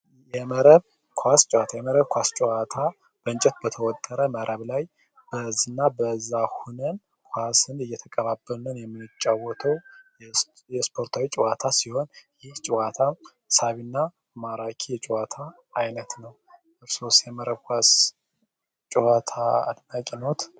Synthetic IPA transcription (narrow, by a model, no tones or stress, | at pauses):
jɛməɾəβ | kʰwast͡ʃʼwat̪ʰajɛməɾəβkʷast͡ʃʼwat̪ʰa | b̥əɨnt͡ʃʼɛt̪̚bət̪ʰəwɔt̪ʼːəɾəməɾʔəβlaj | b̥əzɨnːabəzːahunən | kʷʰwasɨnɨjːɛt̪ʰəkʼəβabːəlnənjɛmːɨt͡ʃʼːawːɔt̪ʰəw | jɛspʰo̞ɾt̪ʰawit͡ʃʼɪwat̪ʰasiho̞njɪht͡ʃʼɪwat̪ʰa | saβinːa | maɾakʰijɛt͡ʃʼwat̪ʰaː | jnət̪nəw | ɨɾsosjɛməɾəβkʰʷas | t͡ʃʼɛwat̪ʰaa̰d̪nakʼino̞t̪